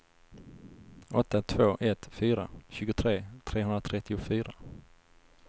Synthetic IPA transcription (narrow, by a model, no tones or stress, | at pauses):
ɔt̪ːat̪ʰvoːʔɛt̪fyːɾa̰ɕʉ̟ːɡʊt̪ʰɾeːt̪ʰɾeːhɵnd̪ɾat̪ʰɾɛt̪ːɪʊfyːɾa